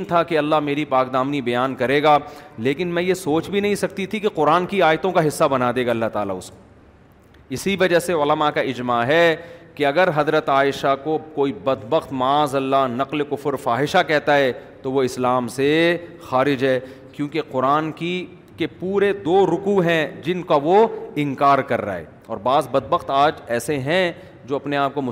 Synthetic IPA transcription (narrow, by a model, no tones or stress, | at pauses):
nt̪ʰakeɐlːaɦmeːɾipaːkd̪aːmnibɐjaːnkɐɾeːɡaːleːkɪnmɛ̃jesoːt͡ʃbʱinɐɦĩsɐk̚t̪it̪ʰikeqʊɾaːnkiaːjt̪õkaɦɪsːabɐnad̪eːɡaːɐlːat̪aːla̰ʊsme | ɪsiʋɐd͡ʒaɦseʊləmakaɪd͡ʒmaɦɛkeɐɡəɾɦɐzɾət̪aːjɪʃakokoːibɐd̪bəxt̪mɐaːzɐlːaɦnɐqlkʊfəɾfaːɦɪʃakɛɦt̪aɦɛt̪oʋoɪslaːmse | xaːɾɪd͡ʒɦɛː | kjõːkeqʊɾaːnki | kepuːɾed̪oːɾʊkuɦɛ̃d͡ʒɪnkaʋoɪ̃ŋkaːɾkɐɾːa̰ːɦɛ̰ː | ɔːɾbaːzbɐd̪̚bəxt̪aːd͡ʒɛːseɦɛ̃ | d͡ʒoːɐpneaːp̚komʊ